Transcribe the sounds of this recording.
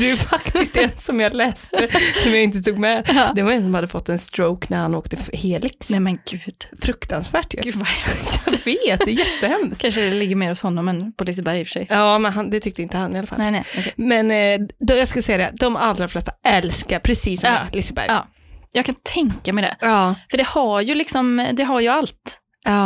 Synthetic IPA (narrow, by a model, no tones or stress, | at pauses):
d̪ɛæfakt̪ɪstt̪ɛnsɔmjɑlɛːssɔmjaːɪnt̪əst̪ʰuːɡmɛd̪ɛvaɾɛns̬ɔmhad̪ːəfɔt̪ːɛnst̪ɾoʊknæɾhanoːkt̪əheːlɪksɛmɛnɡʉːd̪̥fɾɵkt̪ansvæːʈjʉ̰jɑveːt̪d̪ɛjɛt̪ːəhɛmkʰanʂəd̪ɛlɪɡːəɾmeːɾhʊshɔnːɔmːɛnpʰɔlɪs̬əbæɾjɪfœ̥ʂɛjɑːmɛnɦand̪ɛt̪ʰʏk̚t̪əɪnt̪əhanːɪalafa̰nɛɔkʰmɛnd̪jɑːɡskasɛjːad̪ɛ̰d̪ɔmalːɾaflɛst̪aɛlskaɾpʰɾɛsiːsːɔmjɑ̰lɪsəbæ̰ɾj | jɑːɡkʰant̪ʰɛŋkamɛɪd̪ɛ̰ɑːfœɖɛhajɵlɪksɔmd̪ɛɦaɾjɵalt̪ | ɑː